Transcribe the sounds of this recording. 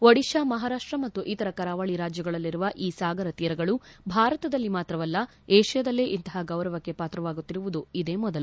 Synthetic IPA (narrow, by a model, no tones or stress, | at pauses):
ʋɐɽiʃaːmɐɦaːɾaːʂʈɾɐmɐt̪ːuʔit̪ɐɾɐkɐɾaːʋaɭiɾaːd͡ʒjɐɡɐɭɐlːiɾuʋɐʔiːsaːɡɐɾɐt̪iːɾɐɡɐɭubʱaːɾɐt̪ɐd̪ɐlːimaːt̪ɾɐʋɐlːɐ | eːʃijɐd̪ɐlːeʔint̪ɐɦaɡɐwɾɐʋɐkːe̞paːt̪ɾɐʋaːɡut̪ːiɾuʋud̪uid̪e̞ːmɔd̪ɐlu